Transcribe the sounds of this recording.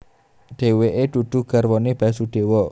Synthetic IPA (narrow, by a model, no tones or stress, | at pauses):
ɖ̪̥eweʔed̪̥ṳd̪̥ṳɡ̥arwɔnib̥asud̪̥e̤wɔ